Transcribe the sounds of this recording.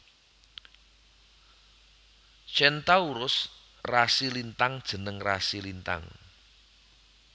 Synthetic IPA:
t͡ʃɛnt̪auɾʊs | rasilint̪aŋd̥ʒ̥ə̤nəŋra̰silint̪a̰ŋ

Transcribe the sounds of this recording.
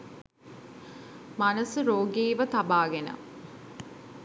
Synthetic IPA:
mɐnəsuɾoːɡeːʋət̪ɐbaːɡenə̰

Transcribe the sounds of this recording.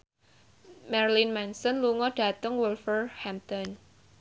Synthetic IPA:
mɛrlinmɛnsɔnluŋɔɖ̥ä̤t̪əŋwulfərhɛmt̪ɔn

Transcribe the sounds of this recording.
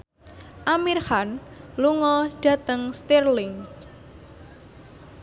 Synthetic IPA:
ʔamirhanluŋɔɖ̥ä̤t̪əŋst̪irlɪŋ

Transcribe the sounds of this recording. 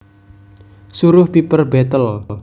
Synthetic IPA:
suɾʊhpipərbet̪əl

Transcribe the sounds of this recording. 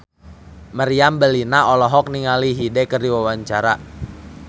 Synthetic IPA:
maɾiambəlinaɔlɔɦɔk̚niŋaliɦidɛkərdiwawaɲt͡ʃaɾa

